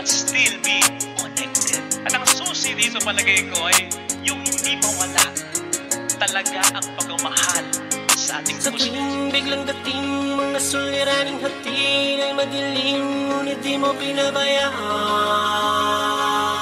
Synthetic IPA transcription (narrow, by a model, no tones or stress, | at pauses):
ɐt̪st̪ilmikonɛk̚t̪ɛd̪̚ʔɐt̪ɐŋsusɪd̪iːt̪opɐlɐɡɐjkoʔɐjjʊŋhɪnd̪iːmowɐlaʔ | t̪ɐlɐɡaʔɐŋpɐɡɐmɐhalsɐʔa̰ːt̪ɪŋsɐŋbɪɡlɐŋd̪ɐt̪ɪŋmɐŋɐsʊlːɪɾaːnɪŋɦɐt̪ɪnɐjmɐd̪ɪlɪŋʊnɪd̪imopɪnabɐjaʔa